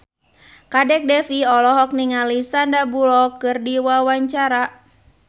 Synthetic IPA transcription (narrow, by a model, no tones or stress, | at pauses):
kadɛk̚dɛfiɔlɔɦɔk̚niŋalisandabulɔkɨrdiwawaɲt͡ʃaɾa